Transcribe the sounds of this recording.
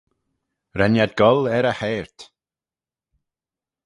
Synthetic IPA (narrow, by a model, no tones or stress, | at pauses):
ɾɛnjad̪̚ɡɔlɛɾəhɛːɹt̪